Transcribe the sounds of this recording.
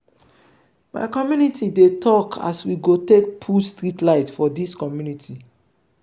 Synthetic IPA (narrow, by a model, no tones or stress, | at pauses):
ma̰ɪkɔmjunitʰidetʰɔkʰa̰swiɡotek̚pʰulstɹitlaɪtfɔdiskɔmjunitʰi